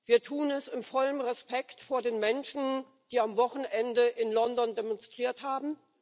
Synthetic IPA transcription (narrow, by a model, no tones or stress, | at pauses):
v̥iːɐtʰuːnɛsɪnfɔlənʁɛspɛktfoːɐdeːnmɛnʃn̩ | d̥iːamvɔχn̩ʔɛndəʔɪnlɔndɔndemɔnstʁ̥iːɐthaːbm̩